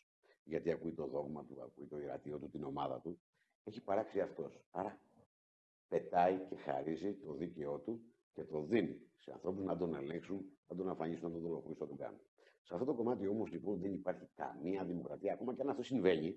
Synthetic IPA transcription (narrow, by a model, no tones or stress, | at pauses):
ʝɐt̪iɐkuit̪o̞ðo̞ɣmɐt̪uɐ̰kuit̪o̞iɾɐ̰t̪io̞t̪ut̪ino̞mɐðɐ̰t̪u | e̞çipɐɾɐksiɐft̪o̞sɐɾɐ | pe̞t̪ɐice̞xɐ̰ɾizit̪o̞ðice̞o̞t̪u | ce̞t̪o̞ðinḭseɐ̰nθɾo̞puznɐd̪o̞ne̞leŋksunnɐd̪o̞nɐfɐɲisunɐt̪oðo̞lo̞foɾisunɐd̪oɡɐ̰no | sɐft̪o̞t̪o̞ko̞mɐt̪io̞mo̞zlipo̞nt̪ðenipɐɾçikɐ̰miɐðimo̞kɾɐt̪iɐːko̞mɐceɐnɐft̪o̞siɱve̞ɲi